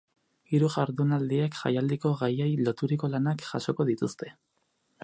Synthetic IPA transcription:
iɾuʝaɾðunald̪iekʝa̰jald̪iko̞ɣajejlo̞t̪uɾiko̞lanakʝaʃo̞ko̞ðit̪ust̪e̞

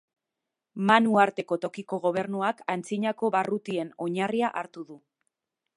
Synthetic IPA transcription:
manuaɾt̪e̞ko̞t̪o̞kiko̞ɣ̞o̞β̞e̞ɾnuakant͡siɲako̞βarut̪ie̞no̞ɲariaʔaɾt̪uðu

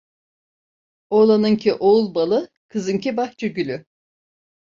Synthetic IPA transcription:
olˠanɯŋcʰiʔoulˠbalˠɯ | kʰɯzɯncibakt͡ʃʰɯɡylʲy

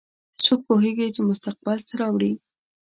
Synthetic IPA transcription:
t͡sok̚poɦeɡet͡ʃemʊst̪aq̚bɪlt͡səɾɑwɽi

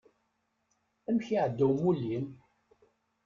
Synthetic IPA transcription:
æmçiʕəd̪ːuwmulːim

